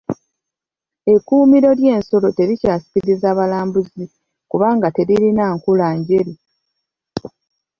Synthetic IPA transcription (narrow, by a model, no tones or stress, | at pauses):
e̞kuːmiɾo̞lje̞ːnso̞lo̞te̞ɾicaːsi̥kiɾizaːβalaːmbuzi | kuβaːŋɡate̞ɾiɾinaŋkulaːɲɟe̞ɾi